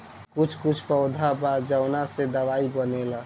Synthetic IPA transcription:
kut͡ʃʰkut͡ʃʰpəʊd̪ʱabad͡ʒəʊnased̪əʋaibənela

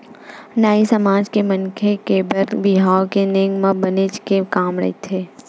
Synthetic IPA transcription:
naːisɐmaːd͡ʒkemɐnkʰekebɐɾd̪bɪɦaːokeneːŋɡmãbənet͡ʃkekaːmɾɐ̰ɦit̪ʰeː

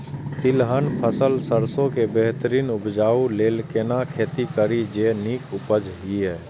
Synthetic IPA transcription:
t̪ɪlɦənpʰəsəlsəɾsõkebeɦt̪əɾiːnʊpd͡ʒaːuleːlkeːnakʰeːt̪ikəɾid͡ʒeːniːkʊpəd͡ʒɦiɦɛː

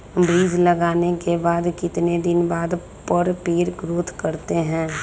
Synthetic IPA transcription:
bɾiːd͡ʒləɡaːnekebaːd̪kɪt̪ned̪ɪnbaːd̪ | pəɾpiːɾɡɾoːt̪ʰkɐɾt̪eɦɛ̃ː

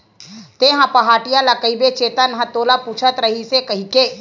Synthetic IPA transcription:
t̪eɦãpɐɦaːʈijalakəibet͡ʃeːt̪ənɦə̃t̪oːlapuːt͡ʃʰət̪ɾɐɦisekɐɦikeː

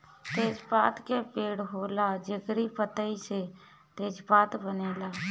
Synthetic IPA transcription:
t̪eːd͡ʒpaːt̪kepeːɽɦoːlad͡ʒəɡɾipət̪əise | t̪eːd͡ʒpaːt̪bəneːlaː

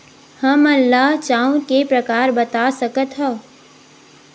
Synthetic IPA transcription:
həmɐlːaɦt͡ʃaːũkepɾəkaːɾbɐt̪asəkət̪ɦə

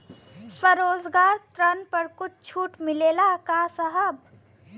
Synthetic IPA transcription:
swəɾoːd͡ʒɡaːɾt̪ɾənpəɾkʊt͡ʃʰt͡ʃʰuːʈmɪleːlakaːsəɦəb̚

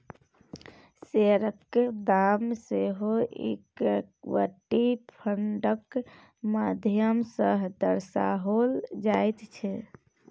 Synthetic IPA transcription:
seɾə | d̪amseɦoʔḛkʋə̰ʈːipʰəɳɖək | mad̪ʱjəmsəɦd̪əɾsaɦold͡ʒajt̪t͡ʃʰɛ

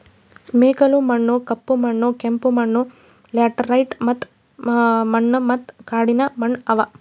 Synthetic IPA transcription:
meːkɐlumɐɳːukɐpːumɐɳːukempumɐɳːu | laːʈɐɾɐjʈmɐt̪ː | mɐɳːɐmɐt̪kaːɽinɐmɐɳɐʋɐ

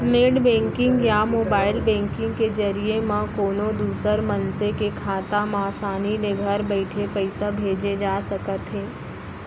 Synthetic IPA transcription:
meːɖbɛ̃ːŋkɪ̃ŋɡjamoːbaːɪlbɛ̃ːŋkɪ̃ŋɡkezɐɾiemãkoːnõd̪uːsəɾmɐnsekekʰaːt̪amãːsaːnid̪eɡʱəɾbɛɪʈʰepɛɪsabʱeːd͡ʒed͡ʒaːsɐkət̪ɦẽː

